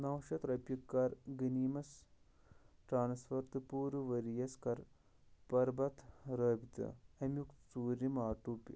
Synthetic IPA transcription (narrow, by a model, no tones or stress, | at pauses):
nɐwʃɐt̪ɾɐpjikːɐɾɡiniːmɐs | ʈɾaːnsfɐɾt̪ɨpuːɾʋɐɾijɐskɐɾ | pɐɾbɐt̪ʰɾɐːbit̪ɐ̰ɐmjukt͡suːɾimaːʈuːpʲ